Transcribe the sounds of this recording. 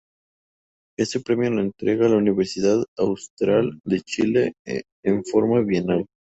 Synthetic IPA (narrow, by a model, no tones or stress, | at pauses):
e̞se̞pɾe̞mjo̞loent̪ɾe̞ɣaːlauniβe̞ɾsiðaðawst̪ɾald̪et͡ʃileː | ɱfo̞ɾmaβjenal